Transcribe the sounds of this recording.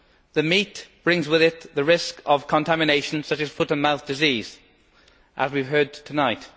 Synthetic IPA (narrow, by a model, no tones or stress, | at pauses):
ðəmiʔb̥ɹɪ̃ŋzwɪðɪt̪ðəɹɪskəv̥kʰə̃ntʰamɪneɪʃə̃n̩sʌt͡ʃɨz̥fʊɾə̃nmaʊθd̥ɪziːz̥ | ʔəzwiv̥ɦɜ˞d̚tʰənaɪt